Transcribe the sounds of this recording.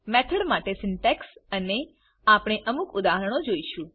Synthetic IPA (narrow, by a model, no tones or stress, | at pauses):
mɛt̪ʰəɽmaʈesɪɳʈɛksəne | apɽ̃eʔəmukʊd̪aɦəɾəɽ̃od͡ʒoiʃũ